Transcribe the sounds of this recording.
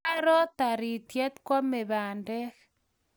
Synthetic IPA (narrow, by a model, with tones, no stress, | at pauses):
a˦ɾɔ˦t̪a˨ɾi˨t̪jɛ˦t̪kwɔ˦me˨βa˨ndɛ˦k